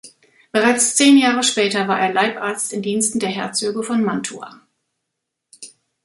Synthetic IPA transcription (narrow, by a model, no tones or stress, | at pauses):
b̥əʁaɪt͡st͡seːnjaːʁəʃpɛːtɐvaːɐʔeːɐlaɪpʔaɐt͡stɪmdiːnstn̩deːɐɦɛɐt͡søːɡəfɔnmantʰua̰